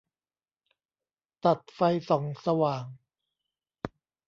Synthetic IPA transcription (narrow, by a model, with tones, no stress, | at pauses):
t̪a˨˩t̪̚fa˧jsɔː˩˦ŋsa˧waː˨˩ŋ